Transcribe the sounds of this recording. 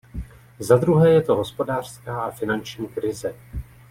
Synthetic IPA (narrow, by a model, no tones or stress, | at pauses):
zad̪ɾuɦɛːjɛt̪o̞ɦo̞spo̞daːr̝̥skaːʔafɪnant͡ʃɲiːkɾɪzɛ